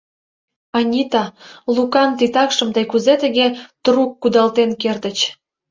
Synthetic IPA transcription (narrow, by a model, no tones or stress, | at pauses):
ɑnʲit̪ɑlukɑnt̪it̪ɑkʃə̆mt̪əjkuzet̪ə̆ɣet̪rukːud̪ɑlt̪enkert̪ə̆t͡ɕ